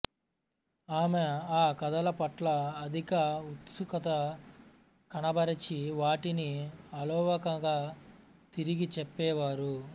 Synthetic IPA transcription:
aːmeaːkɐd̪ɐlɐpɐʈlɐːd̪ʱikɐut̪sukɐt̪ɐ | kɐnɐbɐɾɐt͡ʃiʋaːʈiniɐlɔːʋɐkɐŋɡaː | t̪iɾiɡit͡ʃɛpːɛːʋaːɾu

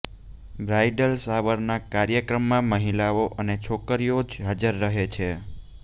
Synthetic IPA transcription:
bɾajɖəlsaʋəɾnakaɾjəkɾəmːãməɦilaoʔənet͡ʃʰokəɾijod͡ʒɦad͡ʒəɾːəɦet͡ʃʰe

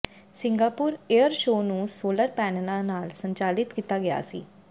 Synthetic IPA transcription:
sɪ̃ŋɡaːpʊːɾeəɾʃoːnũːsoːləɾpɛːnlãːnaːlsəɲt͡ʃaːlɪt̪kiːt̪aːɡɪja̰ːsḭː

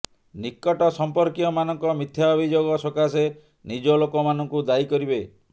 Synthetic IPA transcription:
nikːɔʈɔsɔmpɔɾkiɔmanɔŋkɔmit̪ʰjaɔbʱid͡ʒoɡɔsɔkase | nid͡ʒɔlokɔmanɔŋkud̪aikɔɾibe

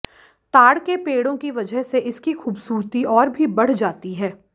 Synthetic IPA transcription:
t̪aːɽkepeːɽõkiʋɐd͡ʒəɦseʔɪskixuːbsuːɾt̪iɔːɾbʱibɐɽ̤d͡ʒaːt̪iɦɛː

